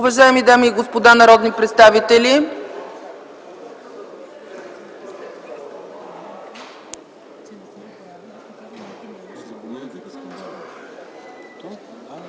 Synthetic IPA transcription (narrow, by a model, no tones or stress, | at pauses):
ʊvɐʒaɛmid̪amiːɡospod̪anɐɾɔd̪nipɾɛt̪st̪avit̪ɛli